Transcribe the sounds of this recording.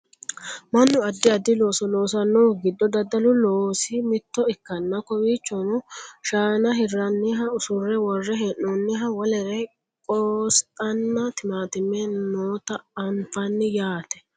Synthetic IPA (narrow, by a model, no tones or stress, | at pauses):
mɐnːʊɐd̪ːɪɐd̪ːɪlo̞ːsɔlo̞ːsɐnːɔːɡɪd̪ːɔd̪ɐd̪ːɐlʊloːsɪmɪt̪ːɔɪkːɐnːɐkɔwiːt͡ʃːɔmʊʃaːnɐɦɪrːɐnːɪɦɐʊsʊrːɛwɔrːɛɦɛʔunːɪɦɐwɔlɛɾɛ | kʼoːstʼɐnːɐt̪ɪmaːt̪ɪmːɛnoːt̪ɐɐnfɐnːɪjaːt̪ɛ̥